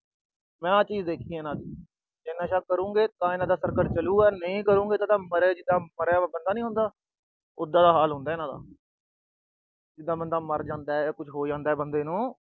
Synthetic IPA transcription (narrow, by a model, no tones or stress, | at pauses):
mɛ̃ːat͡ʃiːd͡ʒd̪eːkʰĩːnãːd̪iː | enãːʃaːkəɾũːɡeːt̪ãːɪnãːd̪aːsəɾkəɾt͡ʃəluːɡaːnəĩːkəɾũːŋɡeːt̪ãːt̪ãːməɾeːd͡ʒɪd̪aːməɾaːbənd̪aːnĩːɦʊ̃nd̪aː | ʊd̪ːãːd̪aːɦaːlɦʊ̃nd̪aːɪnãːd̪a̰ː | d͡ʒɪd̪aːbənd̪aːməɾd͡ʒãːnd̪aːɛkʊt͡ʃʰɦoːd͡ʒãːnd̪aːɛːbənd̪eːnũː